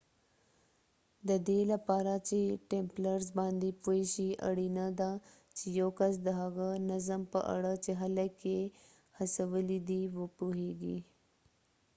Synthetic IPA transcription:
d̪əd̪elapaːɾat͡ʃeʈẽmpləɾzbɑ̃ːnd̪ipuiʃiɐ̰ɽinɐd̪a | t͡ʃijowkɐs̬d̪əɦɐɣənɐzəmpəʔɐ̰ɽət͡ʃeɦɐləkːe | hɐsəʋəlid̪iʋopuɦeːɡḭ

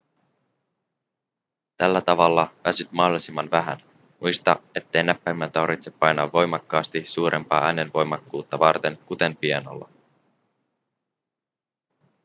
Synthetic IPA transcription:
t̪ælːæt̪ɑʋɑlːɑʋæsyt̪mɑɦdolisimːɑnʋæɦæ̰n | mʔujst̪ɑ̰e̞t̪ːe̞jnæpːæjmːænt̪ɑrʋit̪se̞pːɑjnɑʋːo̞jmɑkːɑːst̪isuːɾe̞̰mpɑ̰ːʔæːnenʋo̞jmɑkːuːt̪ːɑʋɑrt̪e̞ŋkut̪e̞mpieno̰lːɑ̰

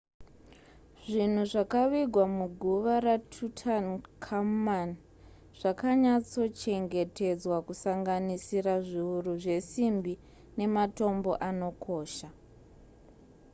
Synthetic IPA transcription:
ʐin̤uʐakaʋiɡʱwamuɡʱuʋaɾatʰutʰankʰamman | ʐ̥akaɲat͡so̞t͡ʃe̞ŋɡe̞te̞d͡zwakusaŋɡanisiɾaʐiuruʐe̞simbi | ne̞mato̞mbo̞̰ʔano̞kʰo̞ːʃa

